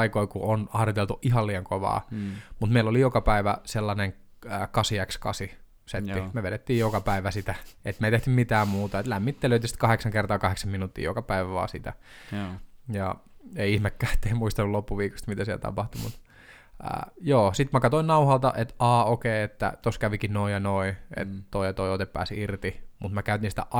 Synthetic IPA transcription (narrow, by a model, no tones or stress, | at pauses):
ikoikuonɑhrjot̪elt̪uʔihɑlliːɑŋkoʋɑ̰ːmut̪meilːolijokɑpæiʋæselːɑneŋː | kɑsiækskɑ̰si | set̪ːimeʋeɾet̪ːiːjjokɑpæiʋæsit̪æet̪meit̪eht̪ymit̪æːmmuːt̪ɑet̪læmːit̪ːeløyt̪isi̥t̪̚kɑheksɑŋkert̪ɑːkɑheksɑminut̪ːḭːjo̰kɑpæiʋæʋɑ̰ːsit̪æ̰ | jɑeiihmekːæːe̥t̪ːeimuist̪ɑnːulopːuʋiːkost̪mit̪æsiɛlt̪ɑ̰pɑht̪umṵt̪ | ə̰ːjoːsit̪mækɑt̪oinɑuhɑlt̪ɑʔet̪ɑːokeiet̪ːæ̰t̪oskæʋikinoijɑnoiḛt̪t̪oijɑt̪oiot̪epːæ̰ːsiirt̪imut̪mækæyt̪insi̥t̪æ̰ʔɑ